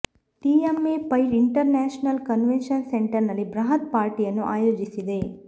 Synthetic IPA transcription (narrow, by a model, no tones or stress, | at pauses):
ʈiːemeːpɐjɾiɳʈɐɾnaːʃnɐlkɐnʋenʃɐnseɳʈɐɾnɐlːibɾɐɦɐt̪̚paːɾʈijɐnːuʔa̰ːjoːd͡ʒisid̪e̞